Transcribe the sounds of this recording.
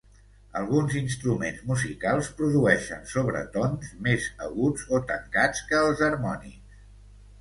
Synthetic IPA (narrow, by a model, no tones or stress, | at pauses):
əlˠɣunzinst̪ɾumenzmuzikalˠspɾuðuɛʃə̰nsoβɾə̰t̪onzmezə̰ɣud͡zot̪əŋkat͡skəːlˠzəɾmɔnḭks